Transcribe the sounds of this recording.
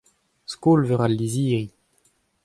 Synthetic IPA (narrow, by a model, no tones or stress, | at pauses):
skoːlvøʁalːiziːʁi